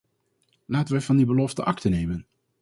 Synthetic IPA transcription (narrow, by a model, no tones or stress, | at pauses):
laːtənʋɛvɑndibəlɔftəʔɑktənejmən